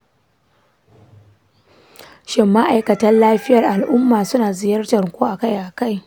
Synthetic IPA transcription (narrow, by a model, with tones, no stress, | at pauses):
ʃɪ˨mːa˦ʔa˨jkɐ˨tɐ˦nlaː˦ɸɪ˦jɐ˨rʔa˨lʔʊ˦mːaː˨sʊ˦naː˨zɪ˨jɐ˦rtɐ˨rkʷuː˦ʔa˨ka˦jʔa˨ka˦˨j